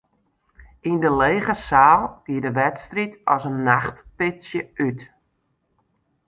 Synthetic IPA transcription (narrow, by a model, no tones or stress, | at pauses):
indəleːɣəsaːlˠɡ̥iədəʋɛtstritɔsənːaχtpɪsjəyt